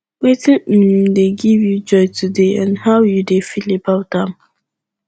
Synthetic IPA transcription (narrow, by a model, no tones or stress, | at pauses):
wetĩdeɡivjud͡ʒɔɪtʰudeə̰̃nhawjudefilipawtãm